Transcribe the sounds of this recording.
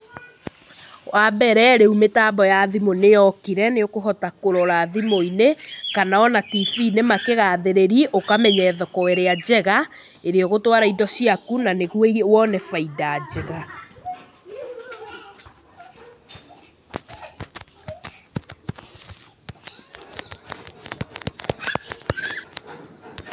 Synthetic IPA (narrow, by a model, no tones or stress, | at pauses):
wʔabɛɾɛɾeumetabɔjaðimonejɔkiɾɛneokoɦɔtakoɾɔɾaːðimoinekanaɔnatifinemakeɣaːðeɾeɾiʔokamɛɲɛːðɔkɔwɛɾead͡ʑɛɣa | eɾeɔɣotwaɾaidɔsiakunaneɣuewɔnɛfaidaːd͡ʑɛɣa